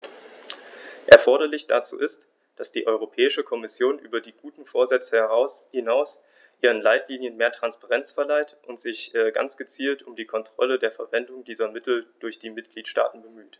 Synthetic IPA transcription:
ʔɛɐfɔɐɾɐlɪçd̥a̰t͡sṵːʔɪst | d̥asd̥iːʔɔʏʁ̞opʰɛːɪʃəkʰɔmɪsjoːnʔyːbɐdiːɡ̥uːtn̩foːɐzɛt͡səhɛʁ̞aʊshɪnaʊs | ʔiːʁ̞ənlaɪtʰliːnjənmeːɐtʁ̥anspaʁɛnt͡sfɛɐlaɪtʔʊntz̥ɪçɡa̰nt͡sɡ̥ət͡siːltʊmdiːkʰɔntʁ̥ɔ̰lədeːɐfɛɐvɛndʊŋdiːzɐmɪtl̩d̥ʊɐçd̥iːmɪt̚ɡ̥liːtʃta̰ːtn̩bəmyːt

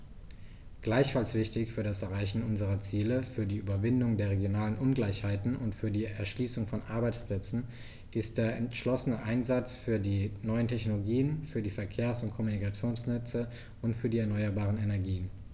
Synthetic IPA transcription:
ɡ̥laɪçfalsv̥ɪçtɪçfyːɐdasɛɐʁaɪçn̩ʔʊnzəʁɐt͡siːləfyːɐdiːʔyːbɐvɪndʊŋdeːɐʁ̞eɡjonaːlənʔʊnɡlaɪçhaɪtn̩ʊntfyːɐdiːɛɐʃliːsʊŋfɔnʔaɐbaɪt͡spl̥ɛt͡sn̩ | ʔɪstd̥eːɐɛntʃlɔsənəʔaɪnzat͡sfyːɐdiːnɔʏəntʰɛçnoloɡiːənfyːɐdiːfɛɐkʰeːɐsʊnt̚kʰɔmunikat͡sjoːnsnɛt͡sə | ʊntfyːɐdiːɛɐnɔʏɐbaːʁ̞ənenɛɐɡiːən

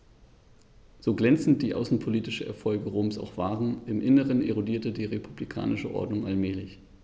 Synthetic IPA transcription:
z̥oːɡlɛnt͡sn̩t̚d̥iːʔa̰ʊsn̩pʰoliːtɪʃn̩ɛ̰ɐfɔlɡəʁoːmsa̰ʊxv̥aːʁən̩ɪmʔɪnəʁənʔeʁodiːɐtədiːʁepʰublikʰa̰ːnʔɪʃəʔɔ̰ɐdnʊŋʔalmɛːlɪç

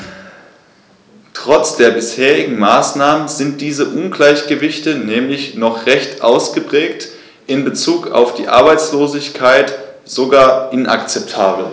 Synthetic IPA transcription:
tʁ̥ɔt͡sd̥eːɐbɪsheːʁɪɡŋ̩maːsnaːmənzɪnt̚d̥iːzəʔʊnɡlaɪçɡ̥əvɪçtənɛːmlɪçnɔχʁɛçtʔaʊsɡ̥əpʁ̥ɛːkt | ʔɪnbət͡suːka̰ʊfd̥ḭːʔa̰ɐbaɪt͡sloːzɪçkʰaɪt | z̥oɡaːɐʔɪnʔa̰kt͡sɛp̚tʰaːbl̩

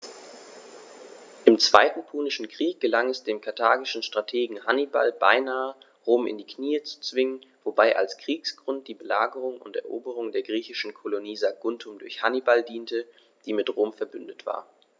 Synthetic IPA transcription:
ʔɪmt͡sv̥a̰ɪtn̩pʰuːnɪʃn̩kʁ̥iːk̚ɡ̥əlaŋɛsd̥eːmkʰaɐtʰaːɡɪʃn̩ʃtʁ̥atʰeːɡŋ̩haniba̰lba̰ɪnaːə | ʁoːmɪ̰ndiːkniːət͡su̥t͡sv̥ɪŋənvobaɪʔa̰lskʁ̥iːksɡ̥ʁʊnt̚d̥iːbəlaːɡəʁ̞ʊŋʊ̰ntɛ̰ɐʔoːbəʁ̞ʊŋdeːɐɡʁiːçɪʃn̩kʰoloniːzaɡ̥ʊntʰʊmdʊɐçhanibaldiːntə | d̥iːmɪtʁoːmfɛɐbʏndətv̥a̰ːɐ

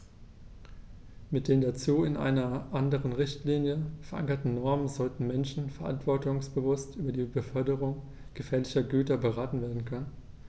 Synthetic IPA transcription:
mɪt̚d̥eːmdat͡suːɪnʔa̰ɪnɐʔandəʁ̞ənʁɪçtliːnjəfɛɐʔa̰ŋkɐtn̩nɔɐmənzɔltn̩mɛnʃn̩fɛɐʔa̰ntv̥ɔɐtʊŋsb̥əvʊstʔyːbɐdiːbəfœɐdəʁ̞ʊŋ | ɡ̥əfeːɐlɪçɐɡyːtɐbəʁ̞aːtn̩veːɐdn̩kʰœnən

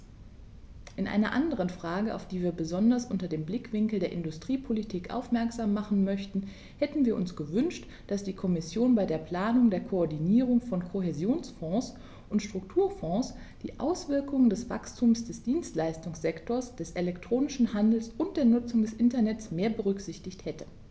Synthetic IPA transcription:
ʔɪnʔa̰ɪnɐʔandəʁ̞ənfʁ̥aːɡəʔa̰ʊfd̥iːviːɐbəzɔndɐsʔʊntɐdeːmblɪkv̥ɪŋkl̩deːɐʔɪndʊstʁ̥iːpʰolitʰiːkʔa̰ʊfmɛɐkz̥aːmːaχn̩mœçtn̩ | hɛtn̩viːɐʔʊnsɡ̥əvʏnʃt | d̥asd̥iːkʰɔmɪsjoːnbaɪdeːɐpl̥aːnʊŋdeːɐkʰoɔɐdiniːʁ̞ʊŋfɔnkʰoɦezjoːnsfɔ̃ːs | ʔʊntʃtʁ̥ʊk̚tʰuːɐfɔ̃ːs | d̥ḭːʔa̰ʊsv̥ɪɐkʊŋəndɛsv̥a̰kstʰuːmsd̥ɛsd̥iːnstlaɪstʊŋsz̥ɛktʰoːɐsd̥ɛsʔelɛktʁ̥oːnɪʃn̩handl̩sʔʊnt̚d̥eːɐnʊt͡sʊŋdɛsʔɪntɐnɛtsmeːɐbəʁʏkz̥ɪçtɪçthɛtə

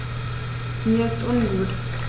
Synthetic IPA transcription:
miːɐɪstʔʊnɡuːt

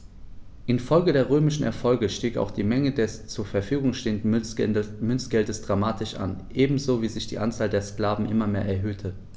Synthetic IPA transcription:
ʔɪnfɔlɡədeːɐʁøːmɪʃn̩ɛ̰ɐfɔlɡəʃtiːka̰ʊxd̥iːmɛŋədɛst͡suːɐfɛɐfyːɡʊŋʃteːəndn̩ | mʏnsɡ̥ɛldəsd̥ʁamaːtʰɪʃʔa̰nʔeːbm̩zoːviːzɪçd̥iːʔant͡saːldeːɐskl̥aːvn̩ʔɪmɐmeːɐʔɛɐɦøːtʰə

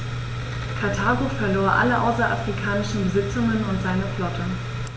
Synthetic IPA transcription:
kʰaɐtʰaːɡofɛɐloːɐʔa̰ləʔa̰ʊsɐʔa̰fʁ̥ikʰaːnɪʃn̩bəzɪt͡sʊŋənʊntz̥aɪnəflɔtʰə

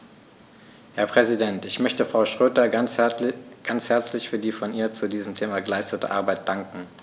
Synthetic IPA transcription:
hɛɐpʁ̥ɛzidɛntɪçmœçtəfʁ̥aʊʃʁ̥øːtɐ | ɡ̥ant͡shɛɐt͡slɪçfyːɐdiːfɔnʔiːɐt͡sudiːzəm̩tʰeːmaɡəlaɪstətə̰ʔa̰ɐbaɪt̚d̥aŋkŋ̩

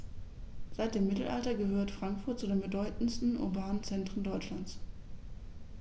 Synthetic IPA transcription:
z̥aɪt̚d̥eːmːɪtl̩ʔa̰ltɐɡəhøːɐtfʁ̥aŋkfʊɐt̚t͡sudeːnbədɔʏtn̩stn̩ʔʊ̰ɐbaːnənt͡sɛntʁ̥ən̩dɔʏt͡ʃlant͡s

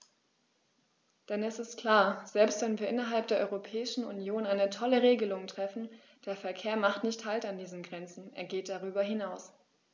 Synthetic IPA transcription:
d̥ɛnɛsɪstkʰl̥aːɐz̥ɛlpstv̥ɛnviːɐʔɪnɐɦalp̚d̥eːɐʔɔ̰ʁopʰɛːɪʃn̩ṵnjoːnaɪnətʰɔləʁeːɡəlʊŋtʁ̥ɛfn̩ | d̥eːɐfɛɐkʰeːɐmaχtnɪçthaltandiːzən̩ɡʁɛnt͡sn̩ʔḛːɐɡeːt̚d̥aʁyːbɐɦɪnaʊs

